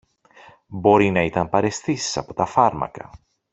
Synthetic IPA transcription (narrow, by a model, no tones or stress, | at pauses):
bo̞ɾinɐit̪ɐmpɐɾe̞st̪isi̥sɐpo̞t̪ɐfɐɾmɐ̰kɐ̰